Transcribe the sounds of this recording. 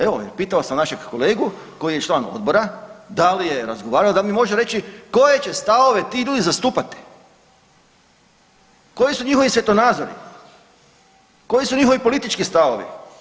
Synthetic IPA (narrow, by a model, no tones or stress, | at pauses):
e̞ʋojeɾpiːt̪aosamnaʃekkole̞ːɡu | ko̞jije̞t͡ʃlˠaːno̞̰d̪̚bo̞ɾad̪alije̞ɾazɡoʋaːɾalod̪almimo̞ʒeɾe̞t͡ɕiko̞je̞t͡ɕe̞st̪aʋo̞ʋe̞t̪iːxʎuːd̪izast̪uːpat̪i̥ | ko̞jisuɲixo̞ʋisʋje̞t̪o̞naːd̪zo̞ɾḭ | ko̞jisuɲixo̞ʋipo̞lit̪it͡ʃkist̪aʋoʋḭ